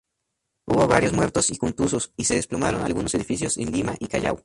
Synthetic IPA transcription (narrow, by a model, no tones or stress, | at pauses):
uβoβaɾjo̞zmwe̞ɾt̪o̞sikont̪usosise̞ðesploma̰ɾo̞na̰lɣuno̞se̞ðifisjosḛnd̪imaʔikaʝa̰w